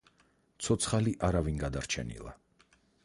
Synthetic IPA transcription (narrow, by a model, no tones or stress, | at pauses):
t̪sʰɔt̪sʰχaliʔaɾavinɡad̪aɾt͡ʃʰɛ̰nḭlˠa̰